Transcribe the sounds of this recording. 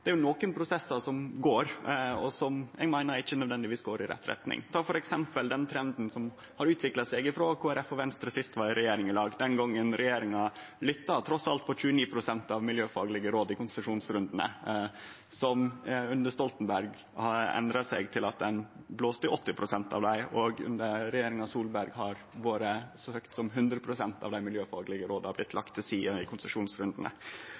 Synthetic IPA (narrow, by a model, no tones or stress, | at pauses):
d̪ɛæɾjʊnoːkənpʰɾʊsɛsɑsɔmɡoːɾɔsɔmɛ̰ɡmæɪnəɾɪçːənœd̪ʋɛnd̪ɪʋiːsɡoːɾɪɾɛ̰t̪ːɾɛ̰t̪nɪ̰ŋt̪ʰɑːfɔɾɛksɛmpəld̪ɛnt̪ʰɾɛnd̪n̩sɔm | hɑɾʉːt̪ʋɪklɑsɛɡɪfɾoːkʰoːæɾɛfɔʋɛnst̪ɾəsɪst̪ʋɑːɾɪɾɛjeːɾɪŋɪlɑːɡd̪ɛnɡɔŋːənɾʔɛjeːɾɪŋɑlʏt̪ːɑt̪ʰɾɔsɑlt̪̚pʰɔc͡çʉːəniːpʰɾʊsɛnt̪ɑʋmɪljøːfɑ̰ːɡlɪɡəɾoːd̪ɪkʊnsəʂuːnsɾʉnd̪ənə̰ | sɔmʉnd̪əst̪ɔlt̪n̩bæɾɡ | hɑɛ̰nd̪ɾɑsɛɪɡt̪ʰɪlɑt̪̚d̪ɛnbloːst̪əɔt̪ːɪpʰɾʊsɛnt̪ɑ̰ʋd̪æɪʔɔɡʉ̰nd̪əɾɾɛjeːɾɪŋɑsuːlbæɾɡhɑɾ | ʋoːɾəsɔhøːkt̪sɔmɦʉnd̪ɾəpʰɾʊsɛnt̪ɑ̰ʋd̪æɪmɪljøːfɑːɡlɪɡəɾoːd̪ɑblɪt̪ʰlɑkt̪ʰːɪlsiːəɪkʰʊnsəʂuːnsɾʉnd̪ənə̰